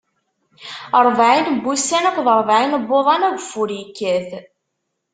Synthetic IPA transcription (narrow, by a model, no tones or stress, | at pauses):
əɾˤvʕinbːusænækʷðˤəɾˤvʕinəbːoðˤɑnæɡfʊɾjikːæθ